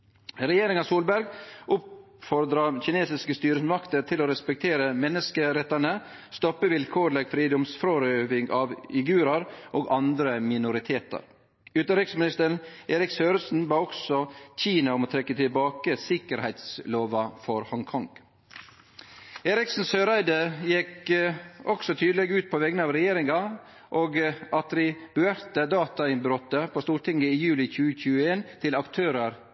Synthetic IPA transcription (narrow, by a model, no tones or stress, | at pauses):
ɾɛjeːɾɪŋɑsuːlbæɾɡʔʊp | fɔɾd̪ɾɑçɪneːsɪskəst̪yːɾəsmɑkt̪ət̪ʰɪloːɾɛspɛk̚t̪ʰeːɾəmɛnːəskəɾɛt̪ːɑnə | st̪ɔpːəʋɪlkʰoːɾləɡfɾiːd̪ʊmsfɾoɾøːʋɪŋɑʋɪɡʉːɾɑɾʔoːɡɑnd̪ɾəmɪnʊɾɪt̪ʰeːt̪ɑ̰ɾ | ʉːt̪əɾɪksmɪnɪst̪əɾeːɾɪksøːɾəsn̩bɑːɔksɔc͡çiːnɑʊmoːt̪ʰɾɛkːət̪ʰɪlbɑːkəsɪkəɾhæɪt̪sloːʋɑfɔɾhɔŋkʰɔŋ | eːɾɪksn̩søːɾæɪd̪əjɛk | ɔksɔt̪ʰyːd̪lɛɡʉːt̪̚pʰɔʋɛɡənəɑːʋɾɛjeːɾɪŋɑ | ʔoːɡʔɑt̪ɾɪb̥ʉæɾt̪əd̪ɑːt̪ɑɪnbɾɔt̪ːəpʰoːst̪uːɾʈɪŋəɪjʉːlɪçʉːəçʉːəeːnt̪ʰɪlɑkt̪ʰøːɾəɾ